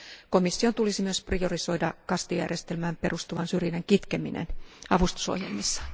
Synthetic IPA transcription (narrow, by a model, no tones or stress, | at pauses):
komisːiont̪ulisimyøsprioriso̞idɑkɑst̪ijæ̰rjest̪elmæːmperust̪uʋɑnsyrjineŋkit̪keminḛnɑʋust̪u̥so̰hjḛlmisːɑ̥